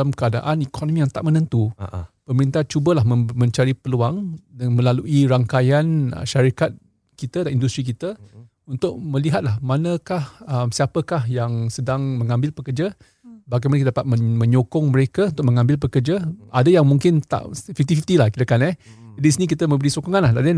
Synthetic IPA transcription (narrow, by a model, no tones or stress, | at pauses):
lamkəada̰ʔanikʰonomĩjaŋt̪aʔ̚mənə̃nt̪upəməɾint̪aht͡ʃubəlahməmə̃ɲt͡ʃaɾipəluaŋdmə̃laluʔiɾaŋkajanə̰ʃaɾikat̪̚ | kit̪ədanindust̪ɾik̬it̪ə | unt̪ʊʔ̚mə̃liɦat̪̚lahmanəkahəmsiapəkahjaŋsədaŋməŋãmbɪlpəkərd͡ʒa | baɡajmanəkt̪adapat̪̚məmə̃ɲokɔŋməɾekaunt̪ʊkʔ̚məŋãmbɪlp̬əkərd͡ʒaʔadəjaŋmuŋkɪnt̪a̰ʔfift̪ifift̪ilahkit̪əkanɛ | d͡ʒadiisinik̬it̪əmə̃mbəɾisokɔŋanlahdadə